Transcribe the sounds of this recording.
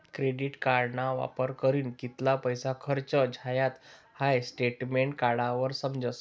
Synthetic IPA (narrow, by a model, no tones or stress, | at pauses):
kɾeɖiʈkaɾɳaʋa̰pəɾkəɾiːnkit̪lapəjsakʰəɾt͡ɕəd͡ʑʱajat̪ | hajsʈeʈmeɳʈkaɽaʋəɾsəmd͡ʑəs